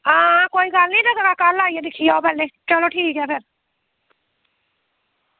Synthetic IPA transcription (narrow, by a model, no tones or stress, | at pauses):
ãːkoːiɡaːlnĩd͡ʒɐɡaɡakaːɾlaːijed̪ɪkʰijaobʱɛːlet͡ʃɐloʈʰiːkɦɛpʰɪɾ